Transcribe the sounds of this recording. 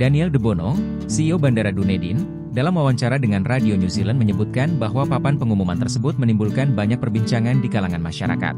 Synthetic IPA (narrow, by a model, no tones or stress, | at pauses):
d̥aniɛldəbonɔ | siobandaɾadunedin | dalamwawaɲt͡ʃaɾadəŋanradionjusilanməɲəbut̪̚kanbaɦwapapanpəŋumumant̪ərsəbʊt̪̚mənimbulkanbaɲak̚pərbiɲt͡ʃaŋandikalaŋanmaʃa̰ɾa̰ka̰t̪̚